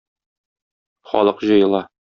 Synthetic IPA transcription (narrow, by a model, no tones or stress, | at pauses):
χɒ̰lˠɤqʑɤ̆jɤ̆lˠɑ